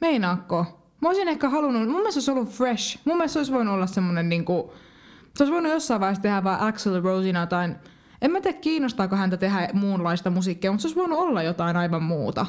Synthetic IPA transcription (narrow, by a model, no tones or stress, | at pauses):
meinɑːkːoː | mɑoisinehkæhɑlunumumːest̪oisolːufreʃmumːelst̪oisʋoinuolːɑssemːonenniːŋku | seoisʋoinujosːɑiʋɑihest̪ehæʋʋɑːʔækselrousinɑt̪ɑin | emmæt̪iækkiːnːost̪ɑːkohænt̪æt̪eɦæmuːnlɑist̪ɑmusiːˑkːijːmut̪seoˑisʋoinuolːɑjot̪ɑinɑiʋɑmmuːt̪ɑ̰